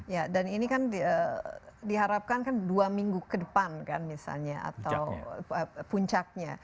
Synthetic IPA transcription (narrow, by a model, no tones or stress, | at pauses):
jadaninikanədiɦaɾap̚kankanduamiŋɡukədəpanka̰nmisa̰lɲaa̰t̪awəpuɲt͡ʃak̚ɲa